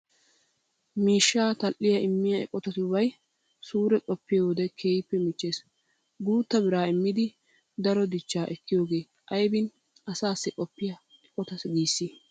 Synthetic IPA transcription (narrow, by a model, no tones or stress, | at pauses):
miːʃːaːt̪ɐʔːɪjɐɪmːɪjɐɛ̰kʼɔt̪ɐt̪βɐj | suːɾɛkʼɔpːɪjoːd̪ɛkʰeːɪpːɛmɪt͡ʃːe̞ːs | ɡuːt̪ːɐbɪɾaːɪmːɪd̪ɪ | d̪ɐɾɔd̪ɪt͡ʃːaːʔɛkːɪjoːɡe̞ː | ʔɐjbɪn | ɐsaːsːɛkʼɔpːɪjɐ | ɛkʼɔt̪ɐsɡiːsːi